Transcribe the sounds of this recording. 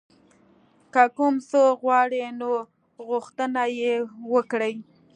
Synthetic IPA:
kakʊmsoɣwɑɽeno | ɣʊxt̪ənajewəkɽəj

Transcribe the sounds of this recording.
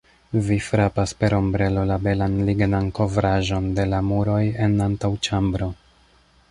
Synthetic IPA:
vifɾapaspe̞ɾo̞mbɾe̞lo̞labe̞lanliɡnanko̞vɾaʒo̞nde̞lamuɾo̞je̞nantawt͡ʃambɾo̞

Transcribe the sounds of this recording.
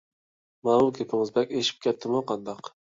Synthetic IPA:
mamʊkʰʲepʰɪmɪzbɛkʲeʃɪ̥p̚kʲʰɛt̪ʰːɪmʊqʰɑnd̪ɑq

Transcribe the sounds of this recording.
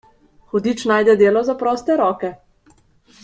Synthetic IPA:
xɔd̪it͡ʃnaːjd̪ɛd̪eːlɔzapɾɔːst̪ɛɾɔːkɛ

